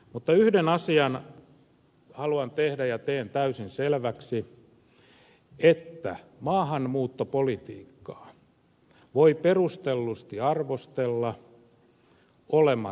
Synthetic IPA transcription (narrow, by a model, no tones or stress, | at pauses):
mut̪ːɑyhdenɑsiɑn | hɑluɑnt̪ehdæjɑt̪eːnt̪æysinselʋæksi | et̪ːæ̰mɑːhɑnmuːt̪ːopolit̪iːkːɑ̥ː | ʋoiperust̪elːust̪iɑrʋost̪elːɑ | olemɑ